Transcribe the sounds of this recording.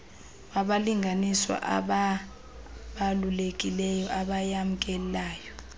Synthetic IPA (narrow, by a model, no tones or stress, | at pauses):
waɓaliŋɡʱaniswa̰ʔa̰ɓa | ɓalulek̬ʼilɛjɔʔaɓajam̩k̬ʼɛllaːjɔ